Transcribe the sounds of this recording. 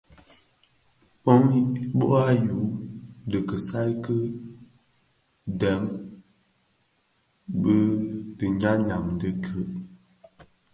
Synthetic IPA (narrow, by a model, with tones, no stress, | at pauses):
pɔ˦ŋ˦bo˦ʔa˦ju˨˦də˨kə˨sa˦jkə˦ | dɛ˨˦ŋ | bə˦də˨ɲa˦ɲa˨mndə˦kʰə˨˦ʔ